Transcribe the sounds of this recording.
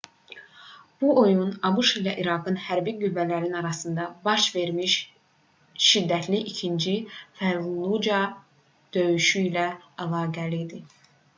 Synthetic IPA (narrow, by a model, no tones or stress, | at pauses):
b̥uo̞junɑbuʃilæʔiɾɑɡɯnhæɾbiɡyvːælæɾinɑɾɑsɯnd̪ɑbɑʃve̞ɾmiʃ | ʃid̪ːæt̪ʰliʔicʰind͡ʒifæɾlˠud͡ʒɑ | d̪̥ø̞jyʃyilæælˠɑːɡælid̪i